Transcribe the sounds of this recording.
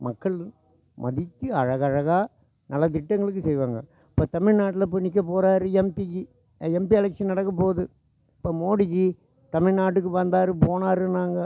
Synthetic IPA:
mɐkːɐɭ | mɐ̰ðɪt̪ːɯɐɻɐɣɐɻɐɣaː | nɐlːɐt̪ɪʈːɐŋɡɐɭɯk̬ːɯsɛjʋaːŋɡɐ̰ | ɐpːoːt̪ɐmɪɻnaːʈːɪlɐp̬ʊnːɪk̬ːɐpoːɾaːɾɯɛmpiki | ɛmpiɛlɐkʂɐnnɐɽɐkːɐpoːðɯ | pːoːmoːɽɪɣi | t̪ɐmɪɻnaːʈ̬ːɯkːɯʋɐnd̪aːɾɯpoːnaːɾɯnaːŋɡɐ

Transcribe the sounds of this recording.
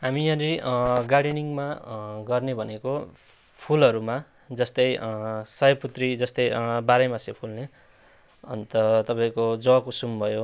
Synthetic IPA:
ɦamijãɾiɡaɽeniŋmaɡʌrnebʱʌneko | pʰulʌɾuma | d͡zʌst̪ʌjsʌjʌput̪rid͡zʌst̪ʌjbaɾʌjmasepʰulne | ʌ̰nt̪ʌt̪ʌpaĩkod͡zʌʌkosumbʱʌjo

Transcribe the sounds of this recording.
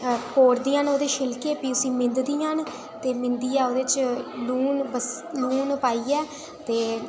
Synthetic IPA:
poːɾd̪iːãːnoːd̪eːʃɪlkeːpiːʊsĩːmɪ̃nd̪d̪iːan | t̪eːmɪ̃nd̪iːɛːoːd̪eːt͡ʃluːnbəs | luːnpaːiːɛː | t̪eː

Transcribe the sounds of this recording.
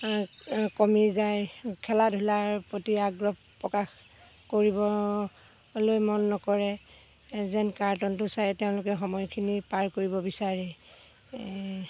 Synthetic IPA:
kɔmiɹzajkʰɛladʱulaɹpɹotiaɡɹɔbpːɹɔkax | koɹibɔ | lojmɔnːɔkɔɹɛ | zɛnkaɹtɔntʊsajɛteʊ̃lʊkɛxɔmɔjkʰinipaɹkoɹibɔbisaɹɛ

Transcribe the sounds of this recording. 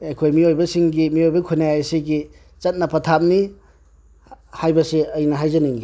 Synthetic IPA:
ekʰojmiojbɐsiŋɡimiojbɐkʰunajsiɡi | t͡ʃɐt̚nɐpʰɐtʰap̚ni | hajbɐsiɐjnɐɦajzɐniŋɡi

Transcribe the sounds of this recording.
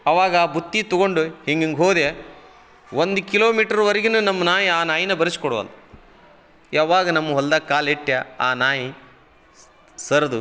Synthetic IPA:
ɐʋaːɡɐaːbut̪ːit̪ɔɡoɳɖuhiŋɡiŋɡɦoːd̪e | ʋond̪ukiloːmiːʈɐɾuʋɐɾiɡinunɐmːɐnaːjiaːnaːjinɐbɐɾisi̥kɔɽuʋɐ̰lɐ | jaːʋaːɡɐnɐmːɐɦɔld̪ɐkaːleʈːjɐaːnaːji | sɐɾɐd̪u

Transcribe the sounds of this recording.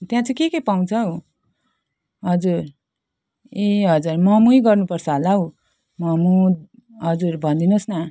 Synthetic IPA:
t̪jãt͡sʰʌ̃kekepaw̃t͡sʰʌɦo | ɦʌd͡zuɾ | eɦʌd͡zurmʌmujɡʌrnupʌrt͡sʰʌɦlaɦo | mʌmu | ɦʌd͡zurbʱʌnd̪inosnʌ

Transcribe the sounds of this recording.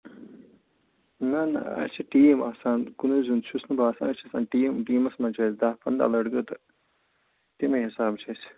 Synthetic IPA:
nɐn̰ɐ̰t͡ʃʰiʈiːmaːsaːnkunuzunt͡ʃʰusnubaːsa̰ːnɐt͡ʃʰɐsa̰ːnʈiːmʈiːmɐsmɐnt͡ʃʰɐːsd̪aːpʰɐnd̪a̰ːlɐɖɡɐt̪ɐ | t̪imeɦisaːbt͡ʃʰɐs

